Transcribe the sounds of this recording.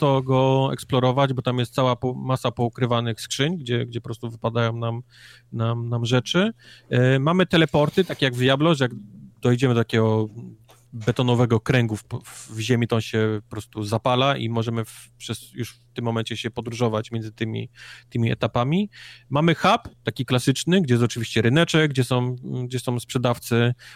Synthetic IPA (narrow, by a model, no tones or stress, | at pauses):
t̪ɔɡɔɛ̰ksplɔɾɔvad͡ʑbɔt̪amjɛst̪sawapɔmasapɔukɾɘvanɘxskʂɘɲɡd͡ʑɛɡd͡ʑɛpɔpɾɔst̪uvɘpad̪ajɔ̃w̃nam | namnamʐɛt͡ʂɘ | mamɘt̪ɛlɛpɔɾt̪ɘt̪akʲejaɡvjablɔʐjaɡd̪ɔjd͡ʑɛmɘd̪ɔt̪akʲɛɡɔ | bɛt̪ɔnɔvɛɡɔkɾɛŋɡufvvʑemʲit̪ɔ̃ɕɛpɔpɾɔst̪uzapalaʔḭmɔʐɛmɘfpʂɛsjuʂft̪ɘmːɔmɛɲt͡ɕɛɕɛpɔd̪ɾuʐɔvat͡ɕmʲjɛnzɘt̪ɘmʲḭt̪ɘmʲiɛ̰t̪apamʲimamɘxapt̪akʲiklasɘt͡ʂnɘɡd͡ʑɛjɛs̬ɔt͡ʂɘvʲiɕt͡ɕɛɾɘnɛt͡ʂɛɡd͡ʑɛsɔ̃w̃ɡd͡ʑɛsɔ̃w̃spʂɛd̪aft̪sɛ